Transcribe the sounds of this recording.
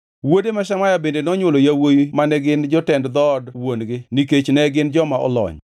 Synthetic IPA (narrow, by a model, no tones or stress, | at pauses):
wodemaʃamajabendenɔɲwolojawojimanɛɡɪnd͡ʒɔtɛndd̪ɔdwonɡɪniket͡ʃnɛɡɪnd͡ʒɔmaʔɔ̰lɔ̰ɲ